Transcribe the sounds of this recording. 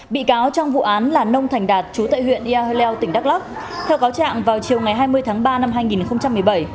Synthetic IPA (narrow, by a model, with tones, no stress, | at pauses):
ɓḭ˧˨kaː˨˦wt͡ɕɔ˧wŋ͡mvṵ˧˨ʔaː˨˦nlaː˨˩nə˧wŋ͡mt̪ʰɛ˨˩ŋ̟ɗaː˨˩t̚t͡ɕu˨˦t̪a̰ː˧˨jɦwḭ˧˨ənʔi˧a˧lɛ˧wt̪ï˧˩ŋɗa˦˥k̚la˦˥k̚ | t̪ʰɛ˧wkaː˨˦wt͡ɕa̰ː˧˨ŋvaː˨˩wt͡ɕi˨˩əwŋa˨˩jɦaː˧jmɨ˧əjt̪ʰaː˨˦ŋɓaː˧na˧mɦaː˧jŋi˨˩nxə˧ŋ͡mt͡ɕa˧mːɨ˨˩əjɓə˧˩j